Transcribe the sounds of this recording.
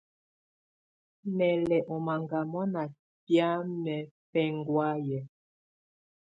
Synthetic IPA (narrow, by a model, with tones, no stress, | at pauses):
mɛ˨lɛ˨ʔɔ˨ma˨ŋɡa˨mɔ˦na˨ | pja˦mɛ˨pɛ˦ŋɡwa˦jɛ˨